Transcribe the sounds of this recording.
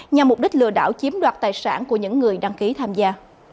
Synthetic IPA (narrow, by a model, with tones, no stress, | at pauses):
ɲa˨˩mːʊ˨˩k͡p̚ɗï˦˥k̟̚lɨ̰˧əɗa̰ː˧˩wt͡ɕi˨˦əmɗwaː˨˩t̚t̪aː˨˩jsa̰ː˧˩nku˧˩əɲɨ̰˧˥ŋːɨ˨˩əjɗa˧ŋki˨˦t̪ʰaː˧mzaː˧